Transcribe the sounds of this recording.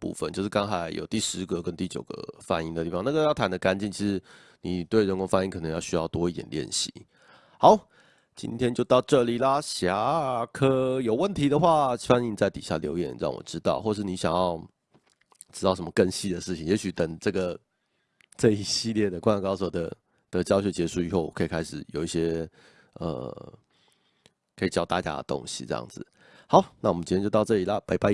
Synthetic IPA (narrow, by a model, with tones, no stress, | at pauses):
pṵ˥˧fə̰˧˨nt͡ɕjo˥˧ʊʂɻ̩˥˩kɑ˥ŋxa˨˧˥ɪjo˨˩ʊt̪i˥˩ʂɻ̩˧˦ɡə˨kə˦nt̪i˥˩t͡ɕjo˨ʊɡə̰˦fa̰˨˩ni˧˥ŋd̪ə˨˩t̪i˥˩fɑ˨˦na˥˩ɡə˧jʊt̪ʰa˦nd̪ə˧ka˧˥nt͡ɕi˥˩nt͡ɕʰi˧˥ʂɻ̩˧˥ | ni˨˩t̪we˥˩ɪɻə˧nkʊ˧˥ŋfa˥i˥ŋkʰn˧˦jɑ˥˧ʊɕy˥jɑ˥˩ʊt̪wɔ˥i˥t̪jɛ̰˨˩nljɛ̰˥˨˩nɕḭ˧˩˦ | xɑ˨˥˦ʊ | t͡ɕḭ˦˥nt̪ʰjɛ˥nt͡ɕjo˥˧ʊt̪ɑ˥˧ʊʈ͡ʂɤə˥˩li˨˩la˨ɕja˧˥kʰɤ˥jo˨˩ʊwə˥˩nt̪ʰi˨˥d̪ə˨xwa˥˩fa˥ni˥˧n˨˩t͡sa˥˩ɪt̪i˨˩ɕja̰˥˩ljo̰˧˥ʊjɛ̰˨˩nɻɑ̰˥˩ŋwɔ̰˨˩ʈ͡ʂɻ̩˦t̪ɑ̰˥˧ʊxwɔ˥˩ʂɻ̩˥˩ni˧˥ɕjɑ̰˨˩ŋjɑ˥˧ʊ | ʈ͡ʂɻ̩˥t̪ɑ˥˩ʊʂ̬ə˦mə˧kə˥˧nɕi˥d̪ə˨ʂɻ̩ʰ˥˩i˨˩ŋje˧˥ɕy˨˩t̪ə˨˩ŋʈ͡ʂɤ˥˩ɡə˩ | ʈ͡ʂə˥˩i˥ɕi˥˧ljɛ˥˩d̪ə˩kwa˥na˨˩kɑ˥ʊswɔ˨˩d̪ə̰˦ | d̪̥ə˨t͡ɕjɑ˥ʊɕjɔ˧˩t͡ɕjɛ˧˥ʂu˥˩ḭ˨˩xo˥˩ʊwɔ˨˩kʰɤ˧˥i˨˩kʰa˥ɪʂɻ̩˨˩jo˨˩ʊi˥˩ɕjɛ˥ | ə̰˩ | kʰə˧˥i˨˩t͡ɕjɑ˥ʊt̪a̰˥˨˩t͡ɕja̰˥d̪ə̰˨t̪o̰˦˥ŋɕḭ˨ʈ͡ʂɤ̰˥jɑ̰˥˩ŋd͡zɹ̩˩ | hɑ˨˥ʊna˥˩wmə˦t͡ɕi˥j̃t͡ɕo˥˧t̪ɑ˥˧ʊʈ͡ʂɤ˥˩li˨˩la˦pa˧ɪpa˧˥